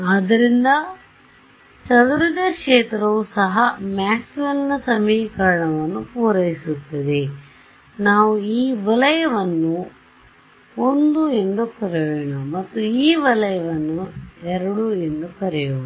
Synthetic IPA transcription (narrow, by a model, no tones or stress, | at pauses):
aːd̪ɐɾind̪ɐ | t͡ʃɐd̪uɾɐd̪ɐkʂeːt̪ɾɐʋusɐɦɐmaːsʋɐlnɐsɐmiːkɐɾɐɳɐʋɐnːupuːɾɐjisut̪ːɐd̪e̞ | naːʋuiːʋɐlɐjɐʋɐnːu | ond̪uend̪ukɐɾejoɳɐmɐt̪ːuiːʋɐlɐjɐʋɐnːuɛɾɐɽue̞nd̪ukɐɾejoɳ